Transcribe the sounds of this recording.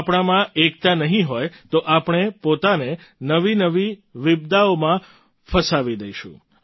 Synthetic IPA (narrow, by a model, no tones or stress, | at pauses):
apɽ̃amãʔek̚t̪anəɦĩɦojt̪oʔapɳ̃epot̪ane | nəʋinəʋiʋɪbd̪aomã | fʰəsaʋid̪əiʃṵ̃